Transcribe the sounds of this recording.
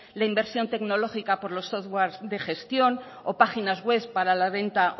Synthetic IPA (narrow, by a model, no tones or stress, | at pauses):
laimbe̞ɾsjo̞nt̪e̞kno̞lo̞xikapo̞ɾlo̞sːoθwaɾzðe̞xe̞st̪jo̞n | opaxinazɣwe̞spaɾalaβe̞nt̪a